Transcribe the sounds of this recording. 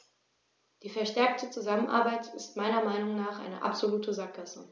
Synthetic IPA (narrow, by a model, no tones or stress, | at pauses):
d̥iːfɛɐʃtɛɐk̚tʰət͡suzamənʔa̰ɐbaɪtɪstmaɪnɐmaɪnʊŋnaːχʔa̰ɪnə̰ʔa̰pz̥oluːtəzakːasə̰